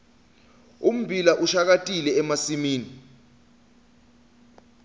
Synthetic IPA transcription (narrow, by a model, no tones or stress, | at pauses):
um̩bʱilaʔuʃak̬atʼilɛːmasimiːni